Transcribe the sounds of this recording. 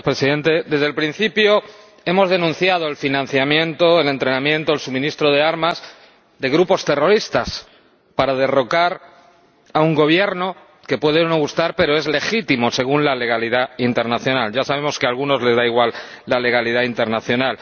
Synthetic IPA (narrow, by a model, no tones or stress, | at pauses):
pɾe̞siðe̞nt̪e̞d̪e̞zðelpɾin̟θipjo̞ | e̞mo̞zðe̞nũn̟θjað̞oe̞lfinãn̟θjamjẽ̞nt̪o̞ele̞nt̪ɾe̞nãmjẽ̞nt̪oelsumĩnist̪ɾo̞ð̞e̞aɾmaz | ðe̞ɣ̞ɾupo̞st̪e̞ro̞ɾist̪as | paɾað̞e̞ro̞kaɾ | auŋɡo̞β̞je̞ɾno̞ | ke̞pwe̞ðeonoɣust̪aɾpe̞ɾo̞e̞zle̞xit̪imo̞se̞ɣ̞unlale̞ɣ̞aliðaint̪e̞ɾnaθjo̞nalʝasaβ̞e̞mo̞ske̞alɣuno̞zle̞zðaiɣwal | lale̞ɣ̞alið̞aint̪e̞ɾnaθjo̞nal